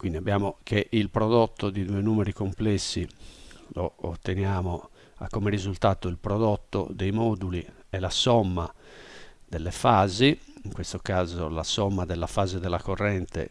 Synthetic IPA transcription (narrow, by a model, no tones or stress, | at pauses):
kwind̪iabːjaːmokʰeʔilpɾɔd̪ɔt̪ːod̪id̪uːenuːmeɾikomplɛsːiloːt̪ːenjaːmo | a̰kːomerizult̪aːt̪oilpɾɔd̪ɔt̪ːo̰d̪ejmɔːd̪uli | ɛlasɔmːa | d̪elːefaːziiŋkwest̪okaːzolasɔmːad̪ɛlːafaːzed̪ɛlːakorːɛnt̪ḛ